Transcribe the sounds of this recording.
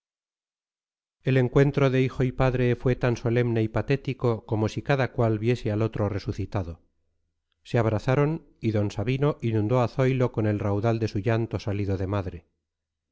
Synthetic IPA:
e̞le̞ŋkwe̞nt̪ɾo̞ðe̞ixoipaðɾe̞fwe̞t̪anso̞le̞mne̞ipat̪e̞t̪iko̞ko̞mo̞sikaðakwalβje̞sealo̞t̪ɾo̞re̞suθit̪aðo̞ | seaβ̞ɾaθaɾo̞n | iðo̞nsaβino̞ʔinũnd̪o̞aθo̞jlo̞ko̞ne̞lrawðald̪e̞suʝant̪o̞saliðoðe̞maðɾe̞

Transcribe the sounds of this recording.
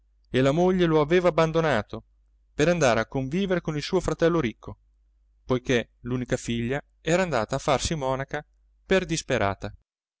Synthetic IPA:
elamoʎːeloaveːvaːbːand̪onaːt̪o | peɾand̪aːɾeakːoɱviːveɾekonilsuːofɾat̪ɛlːoɾikʰːo | pojke | luːnikafiʎːa | ɛːɾaːnd̪aːt̪aːfːarsimɔːnaka | perd̪ispeɾʔa̰ːt̪a

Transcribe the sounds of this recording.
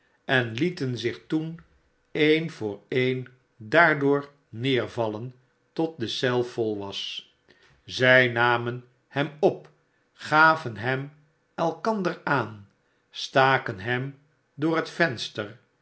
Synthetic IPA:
ɛnlitənzɪχtun | ejnvʊːɹejn | daːɹdʊːɹ | nɪːɹvɑlən | tɔt̚dəsɛlˠfɔlˠʋɑs | zɛjnaːmən | hɛmɔp | χaːvənɦɛm | ɛlˠkɑndəɹaːn | staːkənɦɛm | dʊːɹətfɛnstər

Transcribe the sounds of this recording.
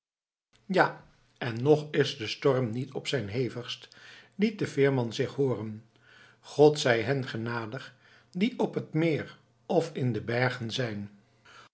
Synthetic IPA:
ja | ɛnːɔχɪzdəstɔɹmnitʰɔpsɛjnɦejvəχstlit̚dəvɪːɹmɑnzɪχɦʊːrən | χɔtsɛjɦɛnχənaːdəχ | diʔɔpətmɪːɹ | ɔfɪndəbɛɹχənzɛjn

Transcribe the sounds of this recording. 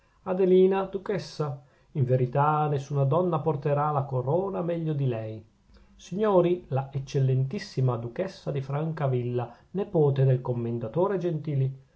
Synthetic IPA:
ad̪eliːnad̪ukɛsːa | iɱveɾit̪anesːunad̪ɔnːaport̪eɾalakoɾoːnamɛʎːod̪ilɛj | siɲːoːɾilaet͡ʃːelːent̪isːimad̪ukɛsːad̪ifɾaŋkavilːa | nepoːt̪ed̪elkomːend̪at̪oːɾed͡ʒent̪iːli

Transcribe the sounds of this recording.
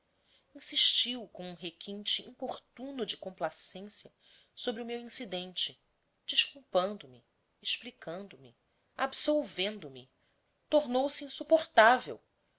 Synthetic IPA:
ĩsiʃt͡ʃiwkõũɦekʰĩnt͡ʃɪḭ̃poχt̪ũnʊd͡ʒɪkõmplasẽsjɐ | sobɾɪʊmewĩsid̪ẽnt͡ʃɪ | d͡ʒiʃkuwpɐ̃nd̪ʊmi | eʃplikɐ̃nd̪ʊmi | absowvẽnd̪ʊmi | t̪oɾnowsiĩsupoχt̪avḛw

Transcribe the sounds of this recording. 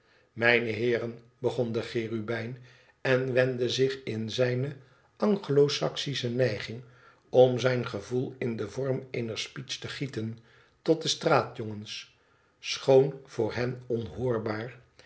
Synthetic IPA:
mɛjnəɦɪːrən | bəχɔndəχɪːrybɛjn | ɛnʋɛndəzɪχɪnzɛjnə | ɑŋχəlowsɑksisənɛjχɪŋ | ɔmzɛjnχəvulˠɪndəvɔɹmejnəɹspitstəχitən | tɔt̚dəstraːtjɔŋəns | sχownv̥ʊːɹɦɛnɔnɦʊːɹbaːɹ

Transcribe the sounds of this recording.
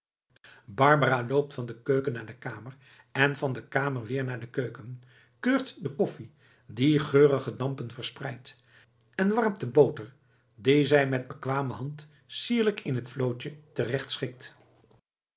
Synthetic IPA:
bɑɹbəraːlowp̚tfɑndəkøɥkənːaːɹdəkaːmər | ɛnvɑndəkaːməɹʋɪːɹnaːɹdəkøɥkən | køːɹtdəkɔfi | diχøːrəχədɑmpənvəɹsprɛjt | ɛnʋɑɹmtəbowtəɹ | dizɛjmɛd̚bəkʋaːməɦɑnt | siːɹləkɪnɦətflowt͡ʃətərɛχtsχɪk̚t

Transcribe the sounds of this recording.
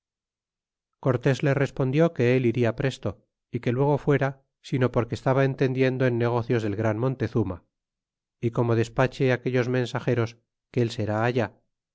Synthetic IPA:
ko̞ɾt̪e̞zle̞re̞spo̞nd̪jo̞ke̞eliɾiapɾe̞st̪o̞ | ike̞lwe̞ɣ̞o̞fwe̞ɾa | sino̞po̞ɾkeːst̪aβae̞nt̪e̞nd̪je̞nd̪oenːe̞ɣ̞o̞θjo̞zðe̞lɣɾanmõ̞nt̪e̞θuma̰ | iko̞mo̞ð̞e̞spat͡ʃeake̞ʎo̞zmẽ̞nsaxe̞ɾo̞s | keelse̞ɾaːʝa

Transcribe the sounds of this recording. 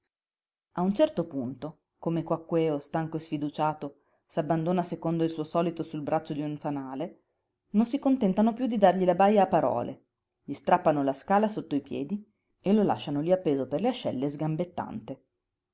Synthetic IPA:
aunt͡ʃɛrt̪opunt̪o | komekwakːwɛːost̪aŋkoesfid̪ut͡ʃaːt̪o | sabːand̪oːnasekond̪oilsuːosɔːlit̪osulbɾʔat͡ʃːod̪iuɱfanaːle | nonsikont̪ɛnt̪anopjud̪ːid̪arʎilabajːaːpːaɾɔ̰ːlʔḛ | ʎist̪ɾapːanolaskaːlasot̪ːoipjɛ̰ːd̪i | elola̰ʃːanoliapːeːzoperleaʃːɛlːezɡambet̪ːa̰nt̪e

